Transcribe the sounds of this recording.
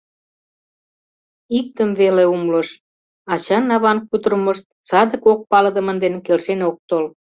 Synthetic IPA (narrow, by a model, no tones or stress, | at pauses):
ik̚t̪əmveleumləʃ | ɑt͡ɕɑnːɑβɑnkut̪ərmə̆ʃt̪̚t͡sɑd̪ə̆kok̚pɑləd̪ə̆mə̆nd̪enkelʃenok̚t̪ol